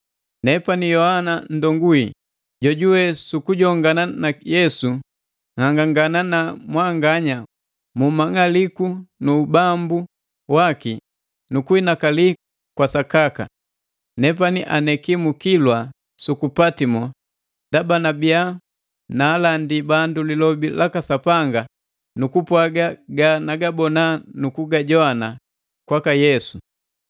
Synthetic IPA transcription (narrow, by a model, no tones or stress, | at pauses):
nɛpanijɔhanan̩dɔŋɡuḭ | ɟɔɟuwɛsukuɟɔŋɡananajɛsu | ŋaŋɡaŋɡananamwaŋɡaɲa | mumaŋalikunuːbambu | waki | nukuinakali | kwasakaka̰ | nɛp̬aniʔanɛkimukilwa | sukupatimɔ | ndabanabia | naːlandibandulilɔbilʔakasapaŋɡa | nukupwaɡaɡanaɡabɔnanukuɡaɟɔana | kwakajɛsu